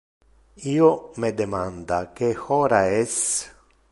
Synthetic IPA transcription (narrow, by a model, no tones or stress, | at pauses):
iːomed̪emand̪akexɔːɾaɛs